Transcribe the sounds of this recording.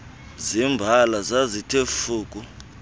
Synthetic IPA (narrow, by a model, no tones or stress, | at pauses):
zimbʱalazazitʰefuːk̬ʼu